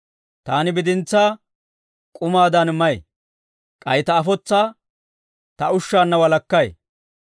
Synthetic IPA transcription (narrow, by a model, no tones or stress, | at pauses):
t̪aːnɪbɪd̪ɪnt͡sːaː | kʼʊmaːd̪ɐnmɐj | kʼɐjt̪ɐːfɔt͡sːaː | t̪ɐʊʃːaːnːɐwɐlɐkːɐj